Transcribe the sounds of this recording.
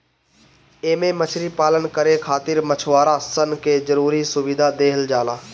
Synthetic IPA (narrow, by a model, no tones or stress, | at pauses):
eːmẽmət͡ʃʰɾipaːlənkəɾekʰaːt̪ɪɾmət͡ʃʰʋaːɾaːsənkeːzəɾuːɾisʊʋɪd̪ʱad̪eːɦəld͡ʒaːlaː